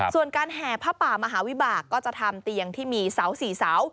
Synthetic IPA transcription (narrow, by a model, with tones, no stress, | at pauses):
su˨˩ənkaː˧nɦɛː˨˩pʰaː˥˩paː˨˩maː˧ɦaː˩˦wi˦˥baː˨˩kːɔː˥˩t͡ɕa˨˩t̪ʰa˧mt̪i˧ə˧ŋt̪ʰiː˥˩miː˧sa˩˦wsiː˩˦saː˩˦w